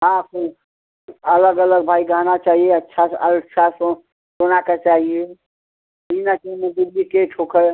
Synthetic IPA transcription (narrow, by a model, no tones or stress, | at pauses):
ɦãsi | ələɡələɡ̚bʱaiɡʱaɦnat͡ʃaɦieətːʃʰaəʃʰaso | sonaket͡ʃaɦie | inakimed̪ilːikeʈʰokʰə